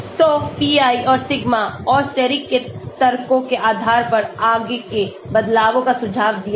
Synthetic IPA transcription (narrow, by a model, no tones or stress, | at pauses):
sɔːpiːaːiɔːɾsɪɡmaɔːɾʃɛɾikːet̪ɐɾkõkeʔaːd̪ʱaːɾpɐɾaːɡeke | bɐd̪laːʋõkasʊd͡ʒʱaːʋd̪ija